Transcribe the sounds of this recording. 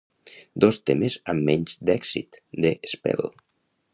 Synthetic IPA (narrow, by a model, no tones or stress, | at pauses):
d̪ost̪emezamːɛɲzd̪ɛksḭt̪d̪espḛl